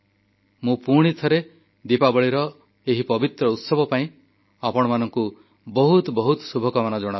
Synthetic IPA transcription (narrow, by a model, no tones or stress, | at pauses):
mũpuɽ̃it̪ʰɔɾe | d̪ipabɔɭiɾɔ | eɦipɔbit̪ɾɔut̪sɔbɔpaĩ | apɔɽ̃ɔmanɔŋku | bɔɦut̪bɔɦut̪subʱɔkɔmanɔd͡ʒɔɽ̃a